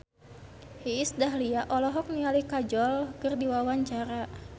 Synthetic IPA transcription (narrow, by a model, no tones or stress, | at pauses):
hiːsdaɦliaʔɔlɔɦɔk̚nialikad͡ʒɔlkɨrdiwawaɲt͡ʃaɾa